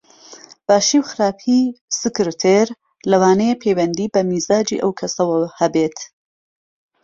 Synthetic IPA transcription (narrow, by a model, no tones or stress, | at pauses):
b̥aːʃiːwxɨɾaːpʰisɨkɨɾɨt̪ʰeɾ | lɐwaːnejepʰejwɐnd̪iːbɐmiːzaːd͡ʒḭʔɐwkʰɐsɐwɐhɐbet̪ʰ